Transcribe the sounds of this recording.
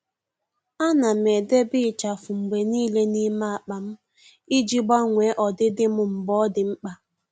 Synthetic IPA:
a˦na˨m˨e˨de˦bɪ˦˨t͡ʃa˨fʊ˨ŋ͡m̩˨ɡ͡be˨niː˦le˦ni˦ma˦a˨k͡pa˨m̩˦ | i˦d͡ʒi˦ɡ͡ba˦ŋʷe˨˦ʔɔ˨dɪ˦dɪ˦mʊ˦m̩˨bɔ˦dɪ˨ŋ͡m̩˦k͡pa˦

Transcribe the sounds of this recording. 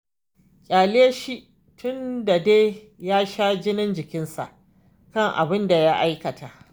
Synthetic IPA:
kʲʼaː˨leː˦ʃi˦ʔ | tʰʊ˦nda˨deː˦ | jaː˦ʃaː˦d͡ʒɪ˦nɪ˦nd͡ʒɪ˨kʲɪ˦nsa̰˨ʔ | kɐ˦˨ŋʔa̰˨bɪ˦nda˨ja˦ʔa˦jkɐ˨tʰa˨ʔ

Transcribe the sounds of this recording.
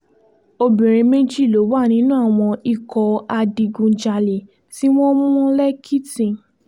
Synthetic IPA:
o˧bĩ˨ɾ̃ĩ˧mẽ˦d͡ʒi˦˨lo˨˦wa˦˨nĩ˦nũ˦a˦˨w̃ɔ̃˧i˦˨kɔ˧a˧di˧ɡũ˧d͡ʒa˧le˨ | ti˦w̃ɔ̃˦mũ˦ũ˦lɛ˦kʰi˦tĩ˨

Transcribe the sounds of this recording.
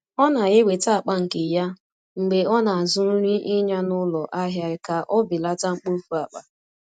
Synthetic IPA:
ɔ˦na˨ɣe˦we˨ta˦a˨k͡pa˦ŋ̩˨ke˨ja˦ | ŋ͡m̩˨ɡ͡be˨ɔ˦na˨a˨zʊ˦n̩˦ɾi˦ʔi˦ɲa˦nʊ˦lɔ˨ʔa˦ɦja˦ɪ˨˦ka˨ʔɔ˦bi˨la˦ta˦ŋ͡m̩˦k͡po˦fu˦a˨k͡pa˨

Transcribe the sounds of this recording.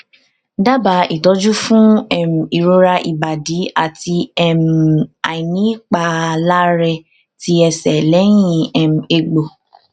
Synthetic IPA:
da˦ba˨˦i˦˨tɔ˨˦d͡ʒu˦fũ˦ɛ˦˨m̩˨i˨ɾo˧ɾa˧ʔi˨ba˨di˨˦a˨ti˧ɛ˦˨m̩˨a˨i˨nĩ˨˦k͡pa˧la˦ɾɛ˧ | ti˦ɛ˧sɛ˨lɛ˨˦j̃ĩ˧ɛ˨m̩̃˨e˨ɡ͡bo˨

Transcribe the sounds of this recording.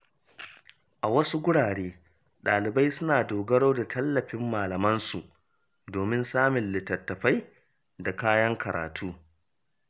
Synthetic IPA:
ʔa˨wɐ˦su˦ɡʷʊ˦ɽaː˨ɽeː˦ | ɗaː˨lɪ˨ba˦jsʊ˦naː˨doː˨ɡɐ˦ɽoː˦da˨tʰɐ˦lːɐ˨ɸɪ˦mːaː˨lɐ˨mɐ˦nsu˨ʔ | doː˨mɪ˦nsaː˦mɪ˨nlɪ˨tɐ˨tːɐ˨ɸa˦j | da˨kaː˦jɐ˦ŋkʰɐ˨ɾʔa̰ː˨tʰuː˦

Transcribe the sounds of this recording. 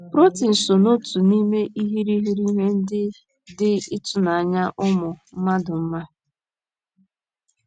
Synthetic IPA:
pɾo˦ti˨n̩˨so˨no˦tu˨ni˦me˦ʔi˦ɦi˦ɾi˦ɦi˦ɾi˦ɦe˦n̩˦dɪ˦ | dɪ˦ɪ˦tʊ˨na˨a˨ɲa˦ʔʊ˦mʊ˨m̩˦ma˦dʊ˨m̩˦ma˦

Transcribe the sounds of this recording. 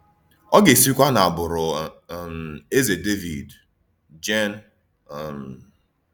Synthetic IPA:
ɔ˦ɡe˨si˦kʷa˦na˨a˨bʊ˨ɾʊ˨me˦ze˨de˦vi˨d | d͡ʒe˦n˨ | m̩

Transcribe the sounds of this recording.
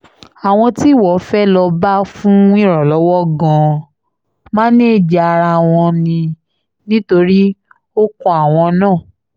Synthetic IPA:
a˨w̃ɔ̃˧ti˦˨wɔ˨˦fɛ˦lɔ˧ba˦fũ˦ĩ˦˨ɾ̃ɔ̃˨lɔ˨˦wɔ˦ɡã˧ | mã˦nĩ˦˨d͡ʒa˨˧a˧ɾa˧w̃ɔ̃˧nĩ˧ | nĩ˦to˧ɾi˦ | o˦kɔ˧a˨w̃ɔ̃˧nãː˦˨

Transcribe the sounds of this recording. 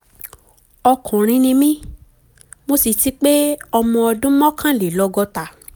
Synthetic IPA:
ɔ˧kũ˨ɾ̃ĩ˧nĩ˧mĩ˦ | mo˦si˧˨ti˦k͡pe˦ɔ˧mɔ̃˧ɔ˧dũ˦mɔ̃˦kã˦˨le˨lɔ˧ɡɔ˧ta˨

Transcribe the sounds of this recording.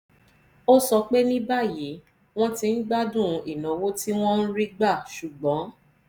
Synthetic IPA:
o˦sɔ˧k͡pe˦nĩ˦ba˦˨ji˨˦ | w̃ɔ̃˦ti˧n̩˦ɡ͡ba˦dũ˦˨˧i˨nã˨wo˦ti˦w̃ɔ̃˦n̩˦ɾi˦ɡ͡ba˦˨ʃu˨ɡ͡bɔ̃˨˦

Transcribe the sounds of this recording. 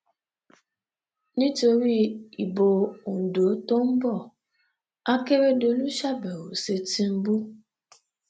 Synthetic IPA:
nĩ˦to˨ɾi˦i˨bo˨o˨n̩˨do˨˦to˦m̩˦bɔ˦˨ | a˦ke˦ɾe˦do˨nũ˦ʃa˦bɛ˨wo˨se˨ti˦m̩˦bu˦

